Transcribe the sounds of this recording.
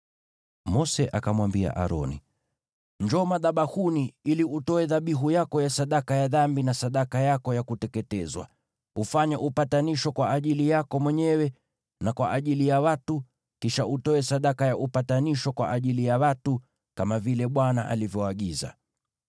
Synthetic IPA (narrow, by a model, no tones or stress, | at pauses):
mɔsɛʔakamwambia̰ʔa̰ɾɔ̰nḭ | ɲd͡ʒɔmaðaɓahuniiliutɔɛðaɓiɦujakɔjasaɗakajaðambinasaɗakajakɔjakutɛkɛtɛzwa̰ | ufaɲaʔupataniʃɔkwaʔaʄilijakɔmwɛɲɛwɛ | nakwa̰ʔaʄilijawatu | kiʃaʔutɔɛsaɗakajaʔupataniʃɔkwa̰ʔaʄilijawatu | kamavilɛɓwanaʔa̰livjɔaɠiza̰